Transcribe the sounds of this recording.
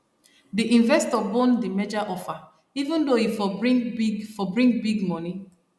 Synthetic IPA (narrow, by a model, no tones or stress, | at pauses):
diʔĩɱvɛstɔbɔ̃ndimed͡ʒaʔɔfa | ivũndoifɔbɹĩŋbiɡfɔbɹĩŋɡbiɡmɔni